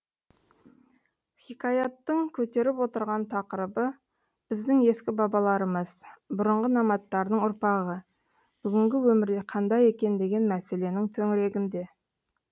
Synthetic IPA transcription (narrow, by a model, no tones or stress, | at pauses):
χʲikɑjɑt̪ːəɴkʲʰɵt̪e̞ɾɪpwo̞t̪əɾʁɑnt̪ʰɑqəɾəbə | b̥ɪzd̪ɪŋe̞skʲɪbɑbɑlˠɑɾəməz̥bʊɾəɴʁənɑmɑt̪ːɑɾd̪əɴʊɾpɑʁə | b̥ʏɡʲɪŋɡʲɪwɵmɪɾd̪e̞qʰɑnd̪ɑje̞kʲe̞nd̪e̞ɡʲe̞nmæse̞le̞nɪŋt̪ʰɵŋɪɾe̞ɡʲɪnd̪e̞